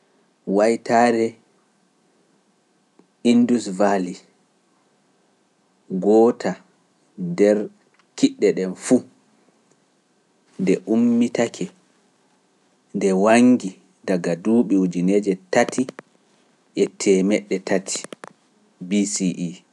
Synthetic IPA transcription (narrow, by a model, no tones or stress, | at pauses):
wajtʰaɾɛ | indusvali | ɡɔːtʰa | ndɛɾ | kiɗːɛɗɛnfu | ndɛʔumːitakʰɛ | ndɛwaŋɡi | daɡaduɓiud͡ʒined͡ʒɛtatʰi | ʔɛtʰɛmɛɗːɛtʰatʰi̥ | bisiʔi